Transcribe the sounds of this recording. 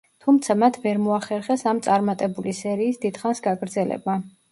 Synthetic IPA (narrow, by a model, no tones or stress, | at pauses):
t̪ʰumt̪sʰamat̪ʰvɛɾmɔaχɛɾχɛsamt̪sʼaɾmat̪ʼɛbulisɛɾiːsd̪id̪̥χansɡaɡɾd̪zɛlɛ̰ba